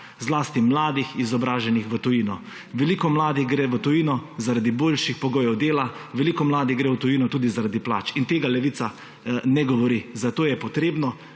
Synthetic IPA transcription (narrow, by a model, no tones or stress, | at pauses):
zlaːst̪imlaːd̪ixizɔbɾaːʒɛnixʋət̪ɔjinɔ | ʋɛlikɔmlaːd̪iɣɡɾɛːʋət̪ɔjiːnɔzaɾad̪iboːlʃixpɔɡoːjɛwd̪eːlaʋɛlikɔmlaːd̪iɣɡɾɛwt̪ɔjinɔt̪uːd̪izaɾad̪ipla̰ːt͡ʃint̪eːɡalɛʋiːt̪sa | nɛɡɔʋɔɾizat̪oːjɛpɔt̪ɾeːbnɔ